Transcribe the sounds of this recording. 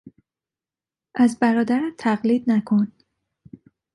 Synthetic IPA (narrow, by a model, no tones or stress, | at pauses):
ʔæzbæɾɒːd̪æɾæmt̪ʰæɣliːd̪̚nækʰon